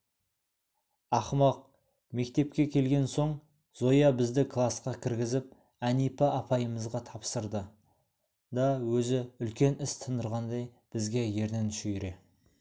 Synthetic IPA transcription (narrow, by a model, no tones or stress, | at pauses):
ɑχmɑq̚ | me̞k̚t̪e̞pkʲe̞kʲʰe̞lɡʲe̞nso̞ɴ | zo̞jɑbɪzd̪ɪkʰlˠɑsqɑkʲʰɪɾɡʲɪzɪp̚ | ænijpɪɑpʰɑjəməzʁɑt̪ʰɑpsəɾd̪ə | d̪ɑwɵzɪʏlkʲe̞nɪst̪ʰənd̪əɾʁɑnd̪ɑj | b̥ɪzɡʲe̞je̞ɾnenʃʏjɾe̞